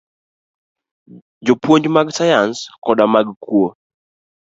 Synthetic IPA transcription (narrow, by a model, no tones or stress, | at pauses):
d͡ʒopwoɲd͡ʒmaɡsajanskɔdamaɡkwo